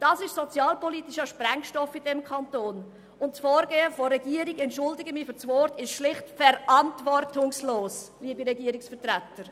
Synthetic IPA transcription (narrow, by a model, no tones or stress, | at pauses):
d̥ɑːsɪʃsɔt͡sjɑːlpɔliːt̪ɪʃəʃpɾæŋʃtɔfɪdɛmkʰɑntoːn | ʊntsfoːɾɡeːəfɔɾɛɡiːəɾiɡɛntʃʊldɪɡəmifyʏɾt͡svɔɾtɪʃʃlɪχtfɛɾɑntvɔrtʊŋsloːsliːbiɾɛɡiːɾɪksfəɾtɾætːəɾ